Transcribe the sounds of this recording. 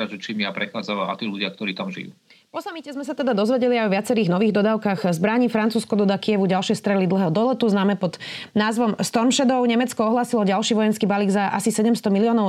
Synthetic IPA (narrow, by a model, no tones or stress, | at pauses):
aʒɛt͡ʃimjapɾɛxaːd͡zaʋaa̰t̪iːluɟɪak̚t̪ɔɾiːt̪amʒḭjṵ | pɔsamicɛzmɛsat̪ɛd̪ad̪ɔzʋɛɟɛliaɪjɔʋɪat͡sɛɾiːɣnɔʋiːɣd̪ɔd̪aːʊkaɣzbɾaɲiːfɾant͡suːskɔd̪ɔd̪akiɛʋuɟalʃɪɛst̪ɾɛlid̪l̩ˠɦɛːɦɔd̪ɔlɛt̪uznaːmɛpɔd̪naːzʋɔmst̪ɔɾmʃɛd̪ɔʊɲɛmɛt͡skɔɔɦlaːsilɔɟalʃiːʋɔjɛnskiːbaliːɡzaʔa̰sisɛɟɛmst̪ɔmiliɔːnɔʊ